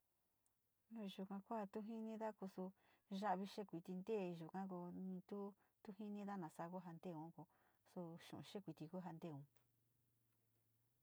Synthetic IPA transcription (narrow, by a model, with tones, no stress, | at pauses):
ʒu˨kã˧ko˦a˧t̪u˦ɦi˦nĩ˧ða˦ku˧su˧ʒa˦ʔβi˧ʃe˦kʷi˨t̪i˧nd̪e˦˨˧ʒu˨kã˦ko˧nĩ˧t̪u˦ | t̪u˦ɦi˦nĩ˦ða˦nã˨sa˧ko˦ɦa˧nd̪e˦˨ũ˨˦ko˧ | su˧ʃṵ̃˨˧ʃe˦kʷi˨t̪i˧ko˦ɦa˧nd̪e˦˨ũ˨˧